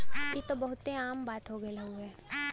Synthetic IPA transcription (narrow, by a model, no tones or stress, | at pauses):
jit̪obɐɦʊt̪eaːmbaːt̪ɦoɡɐelɐɡuɛː